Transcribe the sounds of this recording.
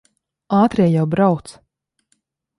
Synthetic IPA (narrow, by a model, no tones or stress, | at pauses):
aːt̪ɾɛjawbɾawt̪s